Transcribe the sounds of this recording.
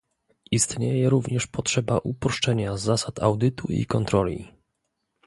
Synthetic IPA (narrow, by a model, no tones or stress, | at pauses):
ist̪ɲejɛɾuvɲɛʂpɔtʂɛbaʔupɾɔʂt͡ʂɛɲazːasat̪ʰa̰wd̪ɘt̪uḭkɔnt̪ɾɔlʲḭ